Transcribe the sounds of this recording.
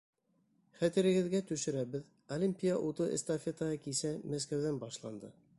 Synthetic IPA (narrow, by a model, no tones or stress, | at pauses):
χæt̪ɘ̆ɾɘ̆ɡɘ̆ðɡæt̪ɵ̆ʃɘ̆ɾæβɘð | olʲimʲpʲijaʔut̪ɤḛ̆st̪ɐfʲet̪əʁɑkisæmæs̬kæwðænbɑʃlˠɑnd̪ɤ